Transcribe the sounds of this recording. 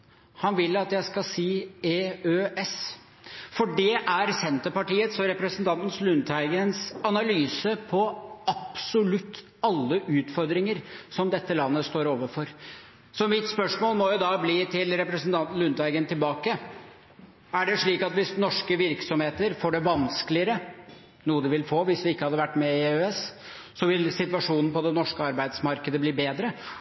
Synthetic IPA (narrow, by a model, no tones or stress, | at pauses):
hɑnʋɪlːɑt̪jæɪskɑsiːeːøːʔɛs | fɔɖɛʔæɾsɛnt̪əpɑʈiːət̪sɔɾɛpɾəsənt̪ɑnt̪n̩slʉnt̪hæɪɡənsɑnɑlyːsəpʰɔɑpsʊlʉt̪ː | ɑlːəʔʉːt̪fɔɾd̪ɾɪŋəɾsɔmd̪ɛt̪ːəlɑnːəst̪oːɾoːʋəfɔɾ | sɔmɪt̪spœʂmoːlmɔjʊd̪ɑbliːt̪ʰɪlɾɛpɾəsənt̪ʰɑnt̪n̩lʉnd̪ʋæɪɡənt̪ʰɪlbɑːkə | æɖɛʂɭiːkɑt̪ʋɪsnɔʂkəʋɪɾksɔmheːt̪əɾfoːɖɛʋɑnskəlɪəɾə | nuːəd̪ɛʋɪlfoːʋɪsʋɪɪkːəhɑd̪ːəʋæʈːmɛɪøːɛs | sɔʋɪlsɪt̪ʋɑʂuːnn̩pɔd̪ɛnɔʂkəɑɾbæɪd̪smɑɾkəd̪əbliːbeːd̪ɾə